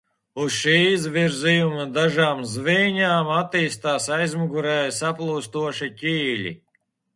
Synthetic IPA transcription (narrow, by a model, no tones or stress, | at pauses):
usʃiːizvʲiɾzijumɐd̪aʒaːmzvijɲaːmat̪iːst̪aːsajzmuɡuɾɛːjsaplˠuːst̪uɔʃicʲiːlʲḭ